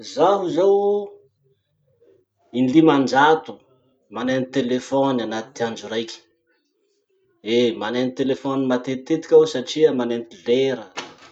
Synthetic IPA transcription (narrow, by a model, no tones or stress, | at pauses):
zaɦuzaw | inlimand͡ʒat̪u̥ | manenit̪elefɔnanat̪t̪iand͡ʒuɾajkʲi̥ | emanenit̪elefɔnimat̪et̪ːet̪i̥kʲawsaʈ͡ʂiəmanent̪iveɾə